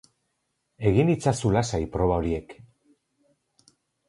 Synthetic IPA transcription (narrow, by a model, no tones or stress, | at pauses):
e̞ɣinit͡sasulasajpɾo̞β̞ao̞ɾie̞k